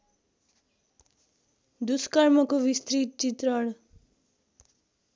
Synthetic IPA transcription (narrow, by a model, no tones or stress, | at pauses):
d̪uskaɾmʌkoʋist̪ɾit͡ʃit̪ɾʌɽ